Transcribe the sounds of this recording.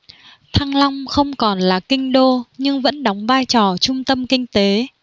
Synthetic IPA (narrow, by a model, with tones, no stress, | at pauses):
t̪ʰaː˧ŋla˧wŋ͡mxə˧wŋ͡mkɔ˨˩nlaː˨˩kï˧ŋ̟ɗo˧ɲɨ˧ŋvə̰˧˥nɗa˨˦wŋ͡mvaː˧jt͡ɕɔ˨˩t͡ɕʊ˧ŋ͡mt̪ə˧mkï˧ŋ̟t̪e˨˦